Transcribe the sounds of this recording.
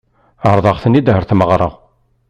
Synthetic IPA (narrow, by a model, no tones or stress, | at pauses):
əɾˤðˤɑʁθənid̪ɦəɾθməʁɾˤə̰ʁ